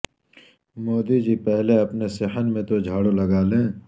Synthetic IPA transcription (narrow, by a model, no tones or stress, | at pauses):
moːd̪id͡ʒipɛɦleɐpneseɦənmẽt̪od͡ʒʱaːɽolɐɡaːlẽː